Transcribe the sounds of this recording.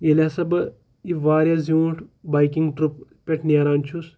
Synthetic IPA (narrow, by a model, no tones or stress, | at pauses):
jelʲasɐbɐ | iʋaːɾʲjazuːʈbɐjkiŋɡʈɾuppʲeʈʰniaːɾaːnt͡ʃʰus